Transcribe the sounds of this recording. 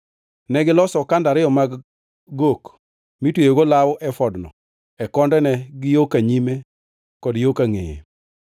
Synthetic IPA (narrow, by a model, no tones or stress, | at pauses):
nɛɡɪlɔsɔkandaɾɪjɔmaɡ | ɡok | mitwejeɡolawʔɛfɔdnɔ̰ | ɛkɔndɛnɛɡɪjokaɲime | kɔdjokaŋḛjḛ